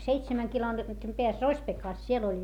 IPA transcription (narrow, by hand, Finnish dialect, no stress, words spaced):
seitsemæŋ kilometrim peæs rosʲpekɑˑs siel olʲ